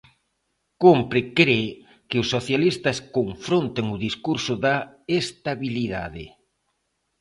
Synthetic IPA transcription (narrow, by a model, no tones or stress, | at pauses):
kompɾɪkɾe | kɪʊsːoθjalist̪ɐskoɱfɾont̪eŋʊðiskuɾsʊða | est̪aβiliða̰ðɪ̰